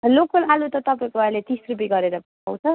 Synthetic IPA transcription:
lokʌlalut̪ʌt̪ʌpaĩkoajlet̪isrup̬iɡʌɾeɾʌp | a̰wt͡sʰʌ

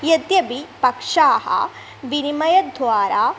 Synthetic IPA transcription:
jɐt̪jɐbipɐkʂaːhɐ̰ | ʋinimɐjɐd̪ʱʋaːɾaː

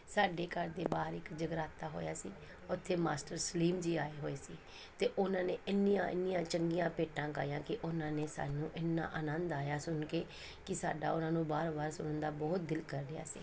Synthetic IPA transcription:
saːɖeːkəɾd̪eːbaːɾɪkd͡ʒəɡɾaːt̪aːɦo̰ːjaːsiː | ʊt̪ʰːeːmaːsʈəɾsliːmd͡ʒiːaːeːɦoːeːsiː | t̪eːʔʊnãːneːɪnːɪjãːʔɪ̰nːɪjãːt͡ʃəŋɡijãːpeːʈːãːka̰ːjãːkɪʔʊnãːneːsa̰ːnũːʔɪnːa̰ːʔənənd̪aːjaːsʊnkeː | kɪsa̰ːɖa̰ːʊnãːnũːbaːɾbaːɾsʊnənd̪aːbɔːt̪̚d̪ɪlkəɾːɪja̰ːsḭː

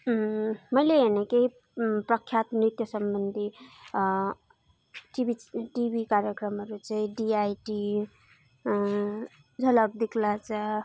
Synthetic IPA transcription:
məjleenekei | pɾəkʰːjat̪nɾit̪jəsəmbənd̪ʱi | ʈibiʈibikaɾjəkɾəmɦʌɾut͡ʃəiɖiajʈi | d͡zʱʌləb̚d̪ikʰlat͡ʃʰʌ

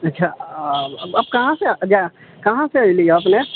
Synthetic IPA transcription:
ɐtːʃʰa | bɐb̚kɐɦãsed͡ʒakɐɦãseailiaɐpne

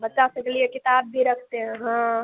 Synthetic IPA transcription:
bətːʃasəklijekɪt̪aːbːʱiɾəkʰt̪eɦɛ̃ɦã

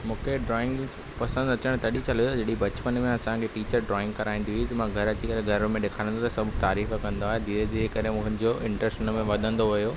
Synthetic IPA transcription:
mũːkʰeɖɾɔːɪ̃ŋɡ | pɐsə̃nd̪ɐt͡ɕəɽ̃t̪ɐɗit͡ɕɐlijt̪ɐd͡ʑɐɗibɐt͡ɕpənmẽɐsãkʰeʈiːt͡ɕəɾɖɾɔːɪ̃ŋɡkɐɾaːĩnd̪ijʊit̪ɐmãɡʱɐɾɐt͡ɕikɐɾeɡʱɐɾmẽɗekʰaːɾ̃nd̪ot̪ɐsɐbʱt̪aːɾiːfkɐ̃nd̪oaːɦed̪ʱiːɾed̪ʱiːɾekɐɾemũːɦɪ̃nɪ̆d͡ʑoʔɪ̃ɳʈɾəsʈʊnmẽʋɐd̪ʱə̃nd̪oʋɐjoː

